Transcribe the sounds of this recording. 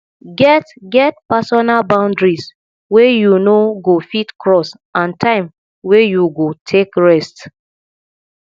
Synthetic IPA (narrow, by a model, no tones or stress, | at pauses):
ɡɛtɡɛt̚pasɔnalbãʊ̃ndɹis | wejunoɡofitkɹɔs | ãntʰãɪ̃m | wejuɡotʰekɹɛst